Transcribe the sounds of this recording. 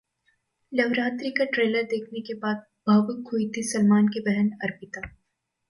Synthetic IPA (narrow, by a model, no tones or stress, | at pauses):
lɐʋɾaːt̪ɾikaʈɾeːləɾd̪eːkʰnekebaːd̪̚ | b̥ʱaːʋʊk̚kʰːuit̪ʰisɐlmaːnkebɛɦənɐɾpɪt̪a